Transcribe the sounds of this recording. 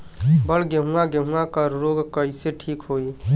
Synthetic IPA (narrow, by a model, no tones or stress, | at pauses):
bəɽɡəɦũaɡəɦũakəɾɾoɡkəiseʈʰiːkɦoi